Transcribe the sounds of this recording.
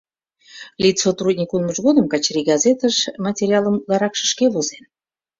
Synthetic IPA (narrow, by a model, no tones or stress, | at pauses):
lʲit̪sot̪rud̪ʲnʲikunməʒɣod̪əmkɑt͡ɕriɡɑzet̪əʃmɑtʲeɾʲiɑləmlɑɾɑkʃə̥̆ʃkeβozen